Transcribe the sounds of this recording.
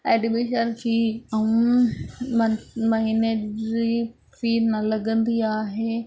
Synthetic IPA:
ɛːɗɪbeːʃəɾkʰiːɐũ | mɐɦiːnei | fiːɾnɐlɐɡə̃nd̪iaːɦeː

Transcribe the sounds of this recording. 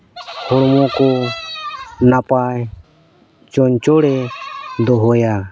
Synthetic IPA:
hɔɽmɔ̃kɔ | napaj | t͡ʃɔɲt͡ʃɔɽɛd̪ɔɦɔja

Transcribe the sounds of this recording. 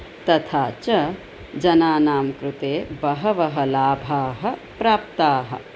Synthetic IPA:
t̪ɐt̪ʰaːt͡ʃɐ | d͡ʒɐnaːnaːmkɾut̪eːbɐɦɐʋɐɦɐlaːbʱaːɦɐ̆pɾaːp̚t̪aːɦɐ̰

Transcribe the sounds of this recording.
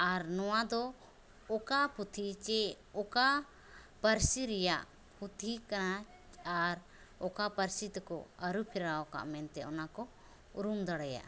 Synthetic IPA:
aɾnɔwad̪ɔ | ɔkaput̪ʰit͡ʃɛ | ɔka | pəɾsiɾɛjaʔ | put̪ʰikana | aɾ | ɔkapəɾsit̪kɔ̰əɾupʰɛɾaɔka̰ʔmɛnt̪ɛʔɔnakɔ | uɾumd̪aɽaja̰ʔ

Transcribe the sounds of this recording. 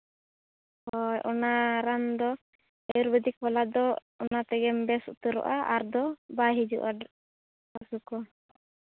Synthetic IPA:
hɔjʔɔnaɾand̪ɔ | ɛjuɾbɛd̪ik̚bɔlad̪ɔ | ɔnat̪ɛɡɛmbɛsut̪uɾɔ̰ʔaʔaɾd̪ɔbaɦid͡ʒṵʔad | ɔsukɔ

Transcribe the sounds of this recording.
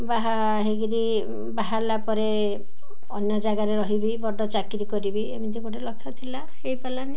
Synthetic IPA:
baɦa | ɦeɡiɾi | baɦaɾlapɔɾe | ɔnjɔd͡ʒaɡaɾeɾɔɦibibɔɖɔt͡ʃakiɾikɔɾibiemind̪ʰiɡoʈelɔkʰːjɔt̪ʰila | hejpalani

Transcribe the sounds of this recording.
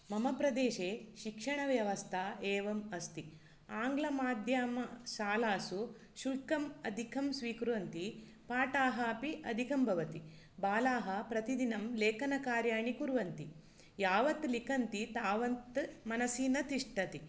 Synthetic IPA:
mɐmɐpɾɐd̪eːʃeːʃikʂɐɳɐʋjɐʋɐst̪ʰaeːʋɐmɐst̪i | aːŋɡlɐmaːd̪ʱjaːmɐʃaːlaːsu | ʃulkɐmɐd̪ʱikʰɐmsʋiːkɾuʋɐnt̪i | paːʈaːɦɐːpiʔɐd̪ʱikɐmbʱɐʋɐt̪i | baːlaːɦɐpɾɐt̪id̪inɐmleːkɐnɐkaːɾjaːɳikuɾʋɐnt̪i | jaːʋɐt̪likɐnt̪it̪aːʋɐnt̪mɐnɐsiːnɐt̪iʂʈɐt̪i

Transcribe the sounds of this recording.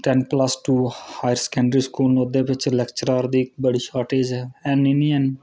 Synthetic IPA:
ʈɛ̃npləsʈuːhaːjəɾskɛ̃ːɳɖɾiːskuːlnod̪eːʋɪt͡ʃlɛkt͡ʃəɾaːɾd̪iːkbəɽiːʃaːɾʈeːd͡ʒɛːɛːniniə̃ːn

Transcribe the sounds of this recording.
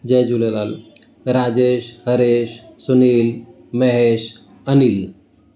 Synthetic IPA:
d͡ʑɛd͡ʑulelal | ɾad͡ʑeɕhəɾeɕsuniːl | məɦeɕ | ənil

